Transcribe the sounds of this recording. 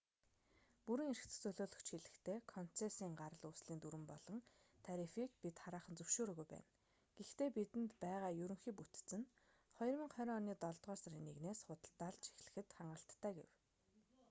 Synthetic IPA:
puɾɘ̆ŋeɾɘ̆kt͡s̆t͡sɵɮoːɮɵ̆xt͡ɕxiɮɘ̆xt̪ʰeːkʰɔn̥t͡sʰesiːŋɢaɾə̆ɮusɮiːnt̪uɾɘ̆mpɔɮɞ̆ŋ | t̪ʰaɾifikpit̪χaɾaːχə̆nt͡sɵwʃoːɾoːɣujpæ̰ːn | ɡ̥ext̪eːpit̪ɘ̆nt̪pæːʁaːjɵɾɵ̆ŋxiːput̪t͡sɘ̆n | χɔj̆rmĭŋχœɾʲɔːniːt̪ɔɮt̪ʁɔːsaɾiːnːeɣneːsχʊt̪ə̆ɮt̪ːaɮt͡ɕʰi̥xɮɘ̆xɘ̆t̪χaɴɢə̆ɬt̪ʰːaːɡḛw

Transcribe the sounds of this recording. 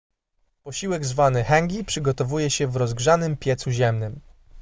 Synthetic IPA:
pɔɕiwɛɡzvanɘxɛŋɡʲipʂɘɡɔt̪ɔvujɛɕɛvɾɔzɡʐanɘmpʲjɛt̪suʑɛmnɘm

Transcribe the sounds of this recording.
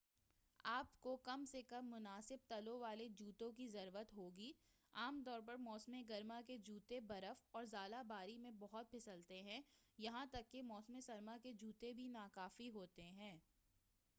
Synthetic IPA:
aːpkokɐmsekɐ̃mːʊnaːsɪb̚t̪ɐlõʋaːled͡ʒuːt̪õkizɐɾwət̪ɦoːɡiː | aːmt̪ɔːɾp̬ɐɾmɔːsmeɡɐɾmaked͡ʒuːt̪ebɐɾəfɔːɾzaːlabaːɾimẽbɔɦʊt̪̚pʰɪsəlt̪eɦɛ̃jɐɦãt̪ɐkːemɔːsmẽsɐɾmaked͡ʒuːt̪ebʱinaːkaːfiɦoːt̪eɦɛ̃ː

